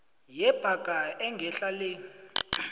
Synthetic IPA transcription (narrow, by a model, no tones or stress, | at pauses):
jɛb̥ʱakʼaɛŋɡʱɛɬaleːni